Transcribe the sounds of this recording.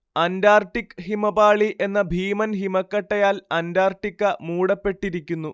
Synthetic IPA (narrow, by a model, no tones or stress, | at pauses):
ɐndaːrʈːikːhimɐbaːɭiʔe̞nːɐbʱiːmɐnɦimɐkːɐʈːɐjaːlɐndaːrʈːikːɐmuːɽɐpːe̞ʈːiɾikʲːunːu